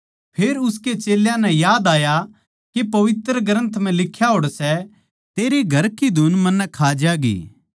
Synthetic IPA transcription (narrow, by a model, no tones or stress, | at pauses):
pʰeːɾʊsket͡ʃeːljãnɛ̃jaːd̪aːja | kepɐʋɪt̪ɾəɡɾə̃nt̪ʰm̤ɛ̃lɪkʰːjaɦoːɽsɛ | t̪eːɾeɡʱɐɾkid̪ʱunmɐnːɛkʰaːd͡ʒaːɡḭː